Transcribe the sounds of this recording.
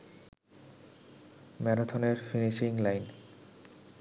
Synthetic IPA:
mɛɾat̪ʰoneɾfiniʃiŋlajn

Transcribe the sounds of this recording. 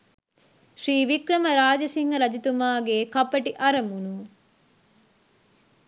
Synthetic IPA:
ʃɾiːʋikɾɐmɐɾaːd͡ʒɐsiŋɡɐɾɐd͡ʒit̪umaːɡeːkɐpːɐʈiʔɐɾɐmunu

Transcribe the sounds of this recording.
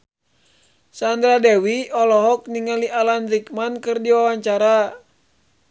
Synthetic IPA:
sand̪ɾadɛwiɔlɔɦɔk̚niŋaliʔalanrik̚mankɨrdiwawaɲt͡ʃaɾa

